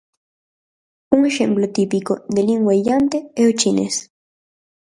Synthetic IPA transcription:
uŋexemplot̪ipikod̪eliŋwejant̪eewt͡ʃinḛs

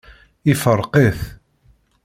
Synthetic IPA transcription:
ɪfəɾˤqeθ

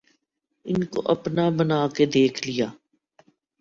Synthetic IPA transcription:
ɪnko̰ʔɐpnabənaːked̪eːkʰlɪjaː

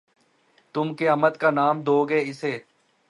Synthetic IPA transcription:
t̪ʊmkeəmət̪kaːnaːmd̪oːɡeːɪseː

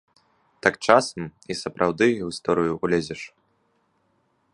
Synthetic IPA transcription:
t̪akt͡ʂasɐmisɐpɾʔawd̪ɨwist̪ɔɾɨjuulʲɛd͡zʲɛʂ

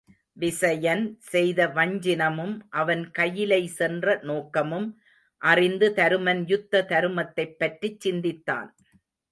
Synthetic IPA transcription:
ʋɪsɐjɐnsɛjðɐʋɐɲd͡ʒɪnɐmɯmʔɐʋɐnkɐjːɪlɐɪsɛndrɐnoːkɐmɯm | ʔɐrɪnd̪ɯt̪ɐɾɯmɐnjʊt̪ːɐt̪ɐɾɯmɐt̪ːɐɪpːɐʈrit͡ʃːɪnd̪ɪt̪ːa̰ːn

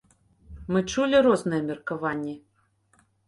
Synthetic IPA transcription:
mɨt͡ʂulʲiɾɔznɐjɛmʲɛrkɐvanʲːɛ

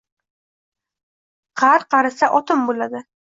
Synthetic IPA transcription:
qʰɑɾqʰɑɾasaʔɒt̪ʰɪmbolad̪ɪ

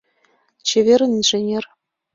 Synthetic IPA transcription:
t͡ɕeʋʲeɾʲɘ̆nʲinʐĕnʲer

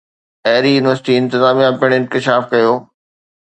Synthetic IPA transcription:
ɐːɾijuːnɪʋəɾsɪʈiɪ̃nt̪ɪzaːmijãpɪəɽ̃ɪ̃nkɪʃaːfkɐjoː

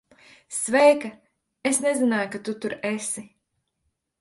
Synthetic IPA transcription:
svɛjka | esnezinaːjkat̪ut̪uɾesi

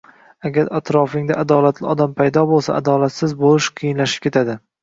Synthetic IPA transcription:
aɡʲaɾat̪ɾɒfɪŋd̪aʔad̪ɒlˠat̪ʰlɪɒd̪ampʰajd̪ɒbolˠsa̰ʔa̰d̪ɒlat̪sɪzbolɪʃqʰɨjɪnlaʃɪ̥p̚kʲʰe̞t̪ʰad̪ɪ

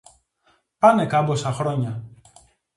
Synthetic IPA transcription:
pɐne̞kɐbosɐxɾo̞ɲɐ

